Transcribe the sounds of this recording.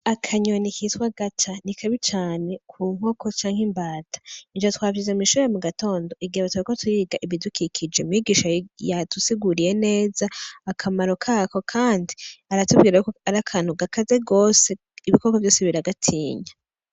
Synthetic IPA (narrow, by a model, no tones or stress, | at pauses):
akʰaɲonikiswaɡ̥at͡ʃanikʰaβit͡ʃaːne̞kʰuːŋ̥o̞ko̞t͡ʃaːŋhembaːtʰḁind͡ʒatwaːvizemuiʃuemuɡato̞ːndo̞ʔiɡiaβatwaikotʰuɾiːɡaʔiβidukʰikʰid͡ʒeumiːɡiːʃajatusiɡuɾije̞ne̞ːzaːkʰamaɾo̞kʰako̞kʰaːndiaɾatubɡiːɾauaɾakʰaːn̥uɡakʰaze̞ɡo̞ːse̞ | iβiko̞kovjo̞ːseβiɾaɡatʰiːɲa